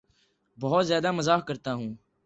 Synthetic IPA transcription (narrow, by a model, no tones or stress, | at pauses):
bəɦʊt̪zjaːd̪aːməzaːkəɾt̪aːɦũː